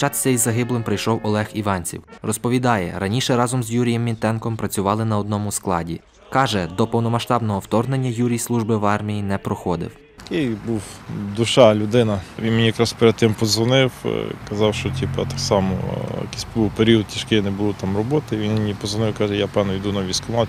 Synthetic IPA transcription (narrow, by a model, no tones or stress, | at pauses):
t͡ʃɑt̪sʲɛizɐɦɪblˠɪmpɾɪjʃɔwɔlˠɛxiʋɑnʲt͡sʲḭwrɔspɔʋʲid̪ɑjɛ̰ɾɐnʲiʃɛɾɑzɔmzjuɾʲijɛmːʲint̪ɛnkɔmpɾɐt͡sʲʊʋɑlˠɪnɐɔd̪nɔmʊsklˠɑdʲḭ | kɑʒɛd̪ɔpɔwnɔmɐʃt̪ɑbnɔɦɔwt̪ɔrnenʲːɐjuɾʲijslˠuʒbɪʋɑrmʲijinɛpɾɔxɔd̪ɪ̰w̪ɐkejbuwd̪ʊʃɑlʲʊd̪ɪnɐʋʲinmenʲijɐkɾɑspeɾed̪̚t̪ɪmpɔzʋɔnɪwkɐzɑwʃt͡ʃɔtʲipɐ̰t̪ɑksɑmɔ̰jɐ̰kisʲbuwpeɾʲiɔd̪̚t̪ʲiʃkɪjnɛbʊlˠʊt̪ɑmrɔbɔt̪ɪʋinnʲipɔzʋɔnɪwkɑʒɛjapɛwnɔid̪unɐʋʲiskɔmɑ